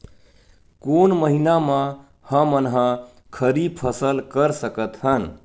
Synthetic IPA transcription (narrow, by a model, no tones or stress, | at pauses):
konməɦinamã | həmənɦə̃ | kʰəɾipʰəsəlkəɾsəkət̪ɦən